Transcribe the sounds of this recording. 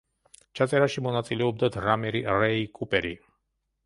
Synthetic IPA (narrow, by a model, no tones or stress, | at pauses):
t͡ʃat̪jeɾaʃimunat̪t̪ileub̚d̪ət̪rameɾirejkʰupeɾḭ